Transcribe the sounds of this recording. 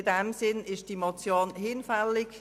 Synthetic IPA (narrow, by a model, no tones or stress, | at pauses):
dɛmsɪnɪʃd̥imot͡sjoːnhɪnfɛlɪk